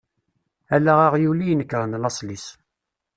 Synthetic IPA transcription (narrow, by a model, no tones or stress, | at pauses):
ælæʁɑʁjulijnəkːɾənlɑsˤlis